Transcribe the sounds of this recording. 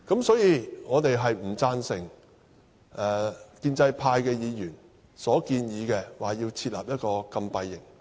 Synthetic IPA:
kɐ˨˥msɔː˨˥jiː˧ŋɔː˨˧t̪e˨jɦɐ˨jm̩˨˩t͡saː˧nsɪ˨˩ŋ | ʔɛː˨kiː˧nt͡sɐ˧jpʰaː˧jkɛː˧jiː˨˧jyː˨˩n | sɔː˨˥kiː˧njiː˨˧kɛː˧waː˨˩jiː˧wt͡sʰiː˧t̚la̰ː˨p̚jɐ˥t̚kɔː˧kɐ˧mpɐ˧jːɪ˨˩ŋ

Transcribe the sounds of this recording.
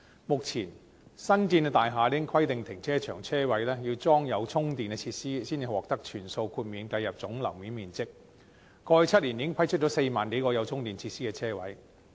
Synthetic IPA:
mʊ˨k̚t͡sʰiː˨˩n | sɐ˥nkiː˧nɛ˧t̪aː˨jɦaː˨˧liː˥ɪ˥ŋkʰwɐ˥jt̪ɪ˨ŋt̪ʰɪ˨˩ŋt͡sʰɛː˥t͡ʃʰœː˨˩ŋt͡sʰɛː˥wɐ˨˥jlɛː˥ji˧wt͡sɔː˥ŋjɐ˨˧wt͡sʰʊ˥ŋt̪iː˨˩nɛ˧t͡sʰiː˧t̚siː˥siː˥nʰi˨˧wɔː˨k̚t̪ɐ˥k̚t͡ʃʰyː˨˩nso˧wkʰuː˧t̚miː˨˧nkɐ˧jɐ˨p̚t͡sʊ˨˥ŋlɐ˨˩wmi˨˥nmiː˨nt͡sɪ˥k̚ː | ɔː˧ɐ˨˥jt͡sʰɐ˥t̚liː˨˩njiː˨˥ɪ˥ŋpʰɐ˥jt͡ʃʰɵ˥t̚t͡ʃɔ˨˥se˧jmaː˨˩nke˨˥jkɔː˧jɐ˨˧wt͡sʰʊ˥ŋt̪iː˨˩nt͡sʰiː˧t̚siː˥kɛː˧t͡sʰɛː˥wɐ̰˨˥j

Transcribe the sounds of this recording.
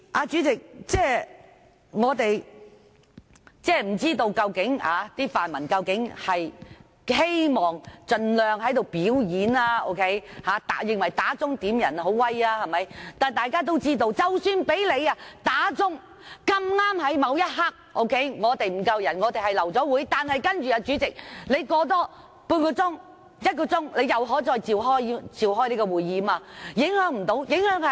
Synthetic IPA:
ʔaː˧t͡ʃyː˨˥t͡sɪ˨k̚t͡sɛː˥ | ŋɔː˨˧t̪e˨j | t͡sɛː˥˩m̩˨˩t͡siː˥t̪o˧wkɐ˧wkɪ˨˥ŋa̰ː˨˧t̪iː˥faː˨nmɐ˨˩nkɐ˧wkɪ˨˥ŋhɐ˨j | he˥jmɔː˨˩ŋt͡ʃɵ˨˧nlœː˨˧ŋhɐ˨˥jt̪o˨wpiː˨˥wjiː˨˥naː˧o̰˥wkʰe˦˥jhaː˨˥t̪a˨˥jɪ˨ŋwɐ˨˩jt̪aː˨˥t͡sʊ˥ŋt̪iː˨˥mjɐ˨˩nɦo˨˥wwɐ˥jaː˧hɐ˨˩mɐ˨˥jt̪aː˨˩nt̪aː˨˩jkaː˥t̪̬o˥wt͡siː˥t̪o˧wt͡sɐ˨˩wsyː˨˧npe˨˥jle˨˧ja˧t̪aː˨˥t͡sʊ˥ŋ | kɐ˧mŋaː˥mhɐ˨˥jmɐ˨˧wjɐ˥t̚ɦaː˥k̚ʔo˥wkʰe˨˥jŋɔː˨˧t̪e˨jm̩˨˩kɐ˧wjɐ˨˩nŋɔː˨˧t̪e˨jhɐ˨jlɐ˨˩wt͡sɔː˨˥wuː˨˥jt̪aː˨nhɐ˨jkɐ˥nt͡ʃyː˨aː˧t͡ʃyː˨˥t͡sɪ˨k̚le˨˧jkɔː˨˧˥t̪̬ɔː˥ | puː˧nkɔː˧t͡sʊ˥ŋ | jɐ˥t̚kɔː˧t͡sʊ˥ŋle˨˧jɐ˨wɦɔː˨˥t͡sɔː˧jt͡siː˨wɦɔː˥jt͡siː˨˩wɦɔː˥jli˥kɔː˧wuː˨jːiː˨˥maː˧jɪ˨˥ŋhœː˨˥ŋm̩˨˩t̪o˨˥wjɪ˨˥ŋhœː˨˥ŋhɐ˨

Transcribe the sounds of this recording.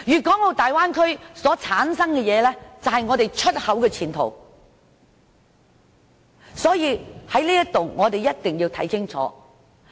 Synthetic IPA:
jyː˨˩kʷɔː˨˥ŋo˨˧t̪aː˨jwaː˥nkʰɵ˥ɥsɔː˨˥t͡sʰaː˨˥nsɐ˥ŋkɛ˧jɛː˨˧lɛ˥t͡sɐ˨whɐ˨jŋɔː˨˧t̪e˨˩jt͡ʃʰɵ˥t̚hɐ˨˥wkɛː˧t͡sʰiː˨˩nt̪ʰo̰˨˩w | sɔː˨˥jiː˨˧hɐ˨˥jliː˥jɐ˥t̪o˨wŋɔː˨˧t̪e˨jɐ˥t̚t̪ɪ˨ŋjiː˧wt̪ʰɐ˨˥jkʰɪ˥ŋt͡sʰɔ̰ː˨˥

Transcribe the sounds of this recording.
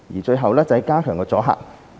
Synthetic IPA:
jiː˨˩t͡ʃɵ˧ɥɦɐ˨wlɛː˥t͡sɐ˨˧˨jkaː˥kʰœː˨˩ŋkɛː˧t͡sɔː˨˥ɦa̰ː˨˩k̚

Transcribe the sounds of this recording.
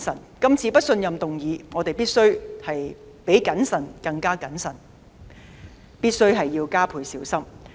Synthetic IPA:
sɐ˨˩n | kɐ˥mt͡sʰiː˧pɐ˥t̚sɵ˧njɐ˨mt̪ʊ˨ŋjiː˨˧ŋɔː˨˧t̪e˨jpiː˥t̚sɵ˥ɥhɐ˨j | pe˨˥jkɐ˨˥nsɐ˨˩nkɐ˧ŋkaː˥kɐ˨˥nsɐ˨˩n | piː˥t̚sɵ˥ɥɦɐ˨jːiː˧wkaː˥pʰuː˨˧jsiː˨˥wsɐ˥m

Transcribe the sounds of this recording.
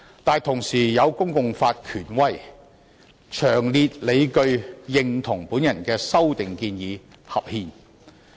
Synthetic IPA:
t̪aː˨nt̪ʰʊ˨˩ŋsiː˨˩jɐ˨˧wkʊ˥ŋkʊ˨ŋfaː˧t̚kʰyː˨˩nwɐ˥j | t͡ʃʰœː˨˩ŋliː˧t̚le˨˧jkɵ˧ɥjɪ˨ŋt̪ʰʊ˨˩ŋpuː˨˥njɐ˨˩nkɛː˧sɐ˥wt̪ɪ˨ŋkiː˧njiː˨˧ | hɐ˨p̚hiː˧n

